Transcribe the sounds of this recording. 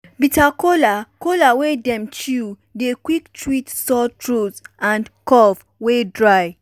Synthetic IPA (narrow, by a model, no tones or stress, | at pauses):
bitakolakolawedɛ̃mt͡ʃu | dekwiktʰɹitsɔtʰɹosãnkɔv | wedɹaj